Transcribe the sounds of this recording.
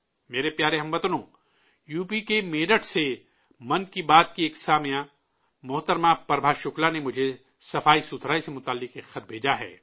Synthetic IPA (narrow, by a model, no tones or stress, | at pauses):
meːɾepjaːɾeɦɐ̃mʋɐt̪nõː | juːpikemeːɖəʈse | mɐnkibaːt̪̚kieːksaːmijã | mʊɦt̪əɾmapɐɾbʱaʃʊklanemʊd͡ʒʱe | sɐfaːisʊt̪ʰɾaːisemʊt̪aːlːɪkekxɐt̪̚bʱeːd͡ʒaɦɛ̰ː